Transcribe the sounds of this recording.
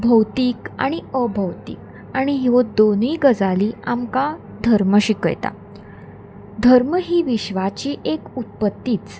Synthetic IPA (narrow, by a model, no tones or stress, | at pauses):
bʱəwt̪iːka̰ɽ̃iəbʱəwt̪ḭːk̚ | ãiɦod̪oniːɡəd͡zaliːamka | d̪ʱəɾməɕikə̰jt̪a̰ | d̪ʱəɾməɦiːʋiɕʋat͡ɕiːʔekut̪̚pət̪ːiːt͡s